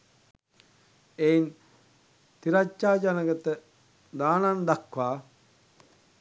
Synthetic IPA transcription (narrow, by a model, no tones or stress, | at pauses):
ein | t̪iɾat͡ʃːaːd͡ʒanəɡət̪ə | d̪aːnand̪akʋaː